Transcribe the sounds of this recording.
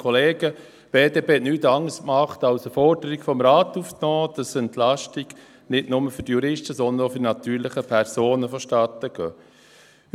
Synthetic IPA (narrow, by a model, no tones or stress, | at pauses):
kʰɔleːɡ̥ə | b̥eːdeːbeːnyːt̪ɑŋəsmɑχt̪ɑwsəfɔɾd̥əɾikfɔmɾaːt̪uːfknɔːd̥ɑsɛntlɑʃtiɡ̥ | nɪdnʊməfʏɾtjuɾɪʃtəsɔnd̪ənofʏɾnɑt̪yːɾləχəpʰɛɾsoːnəfɔʃtɑːt̪əɡ̥øː